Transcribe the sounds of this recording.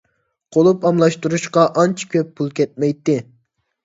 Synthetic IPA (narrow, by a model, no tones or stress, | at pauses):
qʰolˠupɑmlˠɑʃt̪uɾuʃqɑʔɑnt͡ʃʰkʲʰøpʰːulˠkʲɛt̪̚mɛjt̪ːɪ